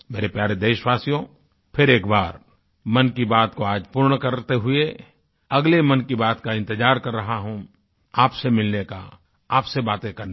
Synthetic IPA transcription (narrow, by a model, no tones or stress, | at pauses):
meːɾepjaːɾed̪eːʃʋaːsijõ | pʰɪɾeːkbaːɾ | mɐnkibaːt̪koaːd͡ʒpuːɾɳkɐɾt̪eɦʊe | ɐɡlemɐnkibaːt̪kaɪ̃nt̪ɪd͡ʒaːɾkɐɾːɐɦaɦũ | aːpsemɪlneka̰ | aːpsebaːt̪ẽkɐɾne